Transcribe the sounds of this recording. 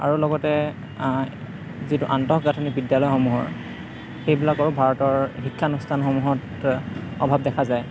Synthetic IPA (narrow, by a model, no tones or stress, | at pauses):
a̰ɹulɔɡɔtɛ | zituʔantɔkɡatʰɔnibidjalɔjxɔmuɦɔ̰ɹ | xejbilakaɹubʱaɹɔtɔɹxikʰːanustʰanxɔmuɦɔt | ɔ̰bʱab̚dɛkʰazaj